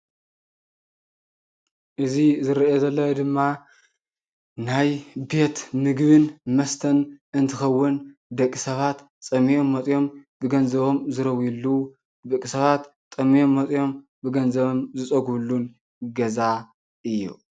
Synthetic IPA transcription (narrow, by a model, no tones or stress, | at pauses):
ʔɨzizɨɾɐʔezɐlːɐwod̪ɨmːa | najbe̞t̪mɨɡβɨnmɐst̪ʰɐnɨnt̪ʰɨxɐwːʊnd̪ɐkʼːisɐβat̪ | sʼɐmijo̞mːɐt͡sʼjo̞mbɨɡɐnzɐβo̞mzɨɾɐwilːu | d̪ɐkʼisɐβat̪ːʼɐmijo̞mːɐt͡sʼjo̞m | bɨɡɐnzɐβomzɨt͡sʼɐɡβlːun | ɡɐza | ʔɨjːṵ